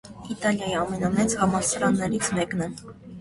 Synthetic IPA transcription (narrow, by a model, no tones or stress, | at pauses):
it̪ɑljɑjiɑmɛnɑmɛt͡shɑmɑsɑɾɑnːɛɾit͡sʰmɛknɛ